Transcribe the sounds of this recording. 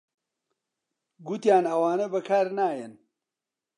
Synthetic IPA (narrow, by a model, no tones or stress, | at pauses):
ɡut̪jaːnɐwaːnɐbɐkʰaːɾnaːjɛn